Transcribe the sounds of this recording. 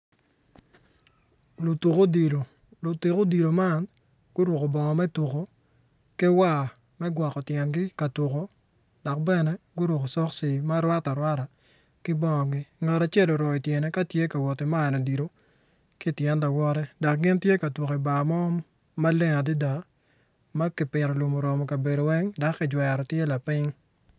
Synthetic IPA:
lo˨tu˨ko˦di˨lo˨ | lo˨te˨ko˦di˨lo˨ma˦n | ɡ̥ʊ˦ɾu˨ko˨bɔ˨ŋɔ˨mɛ˦tu˨ko˨ | kɛ˦wa˦˨ | mɛ˦ɡwa˨kɔ˨tjɛ˨ŋɡɪ˦ka˨tu˨ko˦ | d̥a˨k̚bɛ˦nɛ˦ɡʊ˦ɾwo˨ko˨sɔ˦ksi˨ma˦ɾwa˦ta˨ɾwa˦ɾa˨ | kɪ˦bɔ˦˨ŋɔ˨ɡɪ˦ŋa˨ɾa˨t͡ʃe˦lo˨ɾɔ˨ɪ˨tjɛ˨nɛ˦ka˦tje˦ka˨wɔ˨ti˨ma˦˨nɔ˨di˨ɾo˦ | kɪ˦˨tjɛ˦nda˨wɔ˦ɾɛ˦da˨k̚ɡɪ˦ntje˦ka˨twu˨ko˨i˨ba˨mɔ˦ | ma˦le˦ŋa˨di˦da˨ | ma˦kɪ˨pɪ˨ɾɔ˨lo˨mo˨ɾɔ˨mɔ˨ka˨be˨do˨wɛ˦ŋda˨kːɪ˨d͡ʒwɛ˨ɾɔ˨tje˦la˨pɪ˦ŋ

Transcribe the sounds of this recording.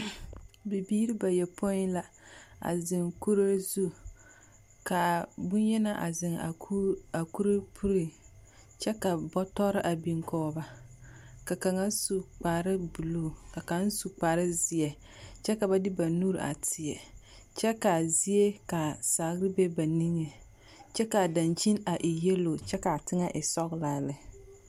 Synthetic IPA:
bi˨biː˦ɾi˦ba˨jɛ˨pʰo˦ɪ˦la˦ | a̰˨zɪ˨ŋku˦ɾa˦zu˦ | ka˨bʊ˦n˦jɛ˦na˦ʔa̰˨zɪ˨ŋa˨˦a˨ku˦ɾɨ˦pʰu˦ɾi˨ | t͡ʃɛ˦ka˨bɔ˦tɔ˦ɾɪ˦ʔa˨bi˨ŋkɔː˦ba˨ | ka˨ka˨ŋa˦su˨k͡paː˨ɾɪ˦bu˨lo˦˨ka˨ka˨˦n˦su˨k͡paː˨ɾɪ˦zɪ˨jɛ˨ | t͡ʃɛ˦ka˨ba˦dɪ˦ba˨nuː˦ɾ̰ʔa̰˨tʰɪ˨jɛ˨ | t͡ʃɛ˦ka˨zi˦e˦ka˨sa˨ɣɾɪ˦be˦ba˨ni˦ŋe˨ | t͡ʃɛ˦ka˨da˨nt͡ʃi˦na˨ʔɪ˨je˦lo˨t͡ʃɛ˦ka˨tɪ˦ŋa˦ʔɪ˨sɔ˦ɣla˨˦lɪ˨

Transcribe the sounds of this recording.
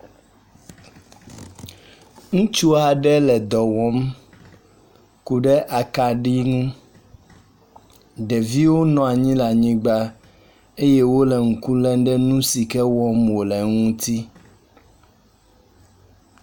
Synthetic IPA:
ŋũ˦t͡ʃu˦a˨ɖɛ˦lɛ˨d̪ɔ˨wɔ̃˦m | ku˨ɖɛ˦ʔa˨ka˨ɖi˦ŋũ˦ | ɖɛ˨vi˦wo˦nɔ̃˨a˨ɲĩ˦la˨ɲĩ˦ɡ͡ba˦ | e˦je˦wo˦lɛ˨ŋ̩˨ku˦lɛ˦n˦ɖɛ˦nũ˦si˨kɛ˦wɔ˦mwo˨lɛ˨ŋũ˦t̪i˦

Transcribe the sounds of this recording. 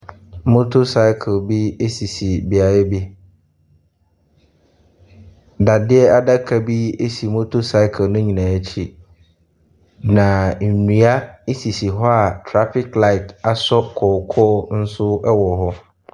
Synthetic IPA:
mo˦tʰo˦sa˦ɪ˦kʰlbi˦e˦si˨si˨bi˨a˨jɛ˦bi˦ | da˨dɪ˦ɛ˦a˦da˦kʰa˨bi˦e˦si˨mo˦tʰo˦sa˦ɪ˦kʰlnʊ̃˦ɲĩ˨nã˨ɛ˦t͡ɕʰi˦ | nã˨n̩˨nĩ˨a˦si˨si˨ɦɔ˦a˨tʰɾa˦fɪ˦kla˦ɪ˨ta˨sɔ˦kʰɔː˨kʰɔː˦n̩˦sʊ˦ɛ˦wɔ˨ɦɔ˦

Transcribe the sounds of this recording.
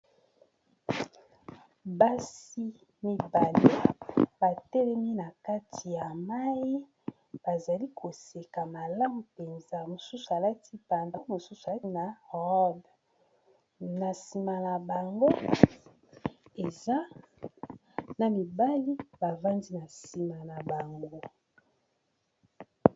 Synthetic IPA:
ba˦si˦ | mi˨ba˨li˦ba˨tɛ˦lɛ˦mi˦na˨ka˦tʰi˨ja˨ma˦i˦ | b̥a˨za˨li˦kʰo˨se˨ka˨ma˨la˦mu˨pe˨nza˦mo˨su˦su˨a˨la˦ti˦pa˨nda˦mo˨su˦su˨a˨˦na˨ʁɔ˦b | na˨si˨ma˨na˨ba˨ŋɡo˦ | e˨za˦ | na˨mi˨ba˦li˦ba˨va˦ndi˦na˨si˨ma˨na˨ba˨ŋɡo˦

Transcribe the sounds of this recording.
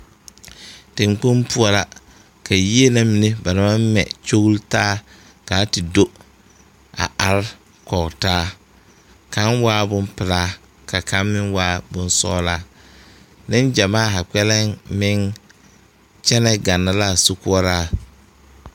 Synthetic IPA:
tɪ̃˨ŋk͡po˦mpu˦ɔ˨la˨ | ka˨ji˦e˦na˦mi˨ne˦ba˨na˦ma˦m˦mɛ̰˨t͡ʃo˦ɣu˦ltaː˦ | kaː˨˦tɪ˨do˦ | a̰˨ʔa˨ɾ | kɔ˨ɣtaː˦ | ka˨˦nwaː˦bʊ˦mpɪ˨laː˦ | ka˨ka˨˦mmɪ˦ŋwaː˦bʊ˦nsɔ̰˦laː˦ | nɪ˦nd͡ʒa˨maː˦˨ɦa˨k͡pɛ˦lɛ˦ŋmɪ˦ŋ | t͡ʃɛ˦nɛ˦ɡa˨nːa˨la˦˨sʊ˦kʊ˦ɔ˦ɾaː˦

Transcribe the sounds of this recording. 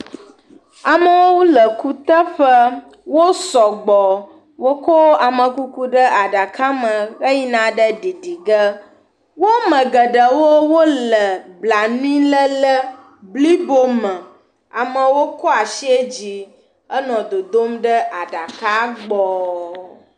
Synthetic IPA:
a˨mə˦wo˦wu˦lə˨ku˦t̪ə˦ɸə˦ | wo˦sɔ˨ɡ͡bɔ˨ | wo˦kɔ˦a˨mə̃˨ku˦ku˦ɖə˦a˨ɖa˨ka˦mə̃˨ɣə˦ji˦nã˨ɖə˦ɖi˨ɖi˨ɡə˦ | wo˦mə̃˨ɡə˨ɖə˨wo˦wo˦lə˨bla˨nĩ˦lə˦lə˦ | bli˦bo˦mə̃˨ | a˨mə̃˨wo˦kɔ˦a˨ʃi˦e˦d͡ʑi˨ | ə˦nɔ̃˨d̪o˨d̪o˦mɖə˦ʔa˨ɖa˨ka˦ɡ͡bɔ˨

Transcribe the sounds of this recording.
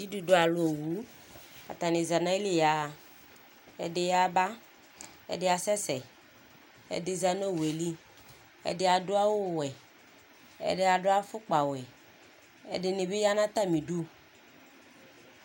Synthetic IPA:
di˦du˨do˦a˨lʊ˦o˨wu˨˦ | a̰˨t̪a˨ne˨za˨nã˦i˦le˦ja˨ | ɛ̰˨de˨ja˨ba˦ | ɛ̰˨dɪ˦a˨sɛ˦sɛ˨ | ɛ̰˨dɪ˨za˨no˦˨we˨li˦ | ɛ̰˨dɪ˦a˨dʊ˦a˦wo˦˨wɛ˨ | ɛ̰˨ɖɪ˦a˨dʊ˦a˦fʊ˦k͡pa˨wɛ˨ | ɛ̰˨dɪ˨ne˨be˦ja˦nã˦t̪a˦mĩ˨du˦

